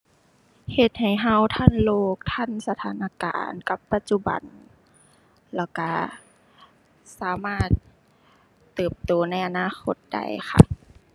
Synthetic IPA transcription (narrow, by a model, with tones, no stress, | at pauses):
he˧t̪̚ha˨˩jɦa˧˥wt̪ʰa˥˨nloː˧˩k̚t̪ʰa˧˥˨nsa˧t̪ʰaː˨˦nʔa˧˥ka̰ː˨nka˧˦pːa˧t̪̚t͡ɕu˧ba̰˨˩n | lɛː˧˩wka˧˩ | saː˨˦maː˧˥˩t̪̚ | ɯː˨˩p̚t̪uː˨˩˦na˧˥˩jʔa˨naː˧˥˨xʰo̰˧˦t̪̚da̰˧˩jxʰa̰˧˩ʔ